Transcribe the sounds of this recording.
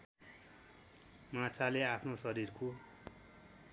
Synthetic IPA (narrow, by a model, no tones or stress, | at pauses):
mãt͡sʰaleapʰnosʌɾirko